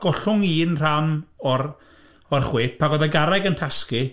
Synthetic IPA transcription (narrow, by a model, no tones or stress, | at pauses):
ɡ̥ɔɬʊŋiːnr̥anɔr | ɔrχweːpʰaɡɔðɛɡaɾɛɡəntʰaski